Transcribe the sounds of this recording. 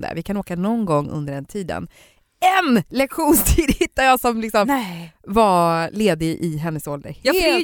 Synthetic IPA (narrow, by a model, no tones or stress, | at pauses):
d̪ə̰vɪkʰanoːkanɔnɡɔŋːɵ̰nd̪əɖɛnt̪ʰiːd̪ə̰n | ɛnlɛkɧuːnst̪ʰiːd̪hɪt̪ːad̪jasɔmlɪksɔmvaleːd̪ɪʔɪɦɛnːəsɔld̪ə̰ɾ